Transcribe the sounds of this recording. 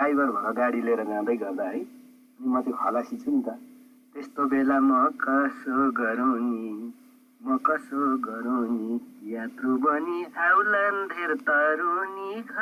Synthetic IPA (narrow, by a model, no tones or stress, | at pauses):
kajbʌɾbʱʌ̃ɡaɽileɾʌɡãd̪ʌjɡʌrd̪aɦʌj | ʌnimʌt̪ʰjeɦʌlasit͡sʰunit̪ʌ | t̪est̪obelamʌkʌsoɡʌɾawni | mʌkʌsoɡʌɾawnit̪ijat̪rubʌniawland̪ʱeɾt̪ʌɾunikʌ